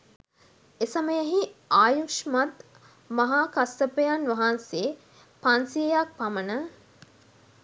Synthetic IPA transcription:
esaməjəɦiaːjukʃmat̪ | maɦaːkasəpəjanʋɐɦanse | pansijejak̚pamənə

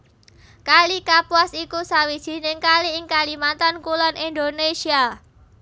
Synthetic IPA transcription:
kalikapwasikusawi̥d͡ʒ̥i̤nɪŋkaliɪŋkalimat̪ankulɔnind̪onesia

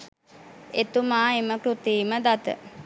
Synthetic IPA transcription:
et̪umaːeməkɾut̪iːməd̪at̪ə̰

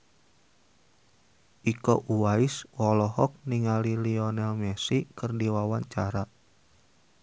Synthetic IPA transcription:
ʔikoʔuwaiswɔlɔɦɔk̚niŋaliliɔnɛlmɛsikɨrdiwawaɲt͡ʃaɾa

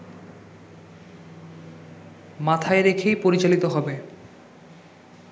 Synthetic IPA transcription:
mat̪ʰaeɾekʰejpoɾit͡ɕalit̪oɦɔbe

